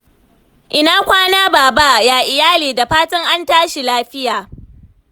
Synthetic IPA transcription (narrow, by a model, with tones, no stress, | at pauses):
ʔɪ˨naː˦kʷaː˦naː˦baː˨ba˦jaː˨ʔɪ˨jaː˦liː˨da˨ɸaː˦tɐ˦ŋʔa˦ntaː˦ʃi˨laː˦ɸɪ˦jaː˨